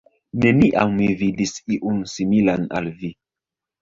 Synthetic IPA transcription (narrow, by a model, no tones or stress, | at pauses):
neniʔammividisiʔunsimilana̰lvi